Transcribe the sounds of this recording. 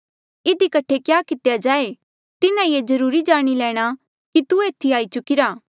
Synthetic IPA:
ɪd̪ikɐʈʰekjaːkɪt̪ejad͡ʒaːe | t̪ɪnãjeːd͡ʒɐɾuːɾid͡ʒaːɽ̃ilɛːɽ̃a | kit̪ueːt̪ʰiaːit͡ʃʊkɪɾaː

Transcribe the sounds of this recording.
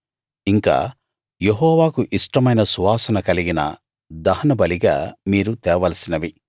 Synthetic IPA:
iŋka̰ː | jeɦɔːʋaːkuʔiʂʈɐmɐjnɐsuʋaːsɐnɐkɐliɡinɐ̰ | d̪ɐɦɐnɐbɐliɡa̰ːmiːɾut̪ɛːʋɐlɐsinɐʋi

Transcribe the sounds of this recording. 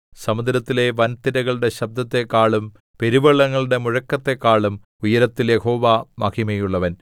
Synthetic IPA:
sɐmud̪ɾɐt̪ːile̞ʋɐnt̪iɾɐɣɐɭɽe̞ɕɐb̚d̪ɐt̪ːekːaːɭum | pe̞ɾiʋɐɭːɐŋːɐɭuɽe̞muɻɐkːɐt̪ːe̞kːaːɭum | ujɐɾɐt̪ːiljeho̞ːʋamɐkimɐjuɭːɐʋɐn

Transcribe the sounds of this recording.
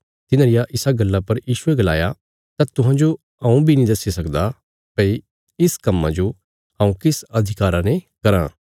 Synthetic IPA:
t̪ɪnãːɾɪjaʔɪsaɡɐlːapɐɾjiːʃueɡɐla̰ːja | t̪aːt̪ʊɦãd͡ʒo | ɐ̃ːũbʱinĩd̪ɐsːisɐkd̪a | pɐi | ɪskɐmːã̰d͡ʒo | ɦãːũkɪsɐd̪ʱɪkaːɾanekɐɾã̰ː

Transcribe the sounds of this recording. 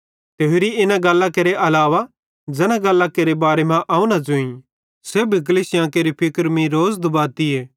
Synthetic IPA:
t̪eːʊɾiɪnãɡɐlːãkeɾeʔɐlaːʋa | d͡ʒɛnãɡɐlːakeɾebaːɾemãʔaːũnad͡ʒʊĩ | sebʱik̬əliːsɪjãkeɾipʰɪkəɾmĩɾoːzd̪ʊbaːt̪ieː

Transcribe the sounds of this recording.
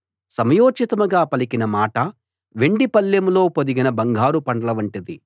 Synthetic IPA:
sɐmɐjoːd͡ʒit̪ɐmɐɡaːpɐlikinɐmaːʈɐ | ʋe̞ɳɖipɐljɐmlo̞ːpod̪iɡinɐbɐŋɡʱaːɾupɐɳɖɐlɐʋɐɳʈid̪i

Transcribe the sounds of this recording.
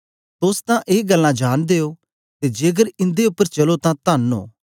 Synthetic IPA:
t̪ʊst̪ãʔeːɡəlːãd͡ʒaːnd̪eːo | t̪ed͡ʒeːɡəɾɪ̃nd̪eʊpːəɾt͡ʃɐlot̪ãt̪aːno̰ː

